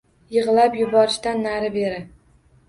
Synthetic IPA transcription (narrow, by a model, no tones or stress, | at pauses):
jɨʁɨlapjʊbɒɾɪʃt̪anːaɾɪbeɾɪ